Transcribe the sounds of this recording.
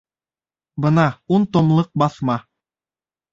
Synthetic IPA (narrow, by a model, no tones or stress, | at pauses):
bɤnɑunt̪ŏmlˠɤq̚bɑθmɑ